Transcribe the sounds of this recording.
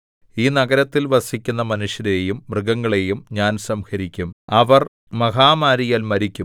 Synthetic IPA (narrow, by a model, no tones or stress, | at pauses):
iːnɐɡɐɾɐt̪ːilʋɐsikʲːunːɐmɐnuʂjɐɾejumːrɨɡɐŋːɐɭe̞jumɲaːnsɐmhɐɾikʲːumɐʋɐr | mɐɦaːmaːɾijaːlmɐɾikʲːum